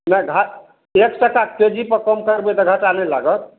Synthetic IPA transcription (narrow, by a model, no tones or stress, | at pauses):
naɡʱat | eksəkaked͡ʒipəɾkɔmkəɾbet̪ɔɡʱaʈanelaɡət̪